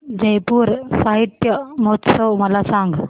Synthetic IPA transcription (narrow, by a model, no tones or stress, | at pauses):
d͡ʑəjpuːɾsaɦit̪jəmot̪səwməlasãŋɡ